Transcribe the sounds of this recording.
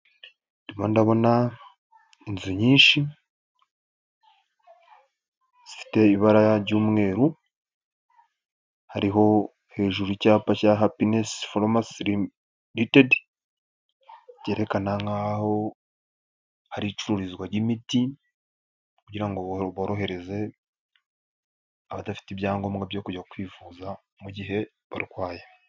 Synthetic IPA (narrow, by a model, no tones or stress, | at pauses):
nimandaβo̞na | inziɲiːnʃi | z̥ifi̥te̞iβaɾajaɾɟuːmŋe̞ːɾu | haɾiɦo̞ | he̞ːʒuɾucaːpacaɦapinesfolomasɾi | ɾited | ceːɾe̞kanaŋɡaho̞ | haɾit͡ʃuɾuɾizɡwaɾɟimiti | kuɟiɾaŋɡoβoɾo̞ɦe̞ɾe̞ze̞ | aβadafi̥tibjaːŋɡo̞mɡabjo̞kuɟakwiːvuːza | muɟiɦe̞ | βa̰ɾiɡwaːje